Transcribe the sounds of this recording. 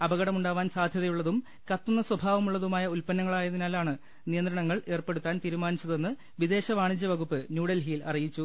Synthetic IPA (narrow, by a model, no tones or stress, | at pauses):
ɐbɐɣɐɽɐmuɳɖaːʋaːnsaːd̪ʱjɐðɐjuɭːɐðum | kɐt̪ːunːɐswɐbʱaːʋɐmuɭːɐðumaːjɐulpɐnːɐŋːɐɭaːjɐðinaːlaːɳɨ | nijɐnd̪ɾɐɳɐŋːɐɭe̞ːrpe̞ɽut̪ːaːnt̪iːɾumaːnit͡ɕːɐðe̞nːɨ | ʋid̪e̞ːɕɐʋaːɳiɲt͡ɕːɐʋɐɣupːɨnjuːɽɐlɦiːlɐ̰rijit͡ɕːu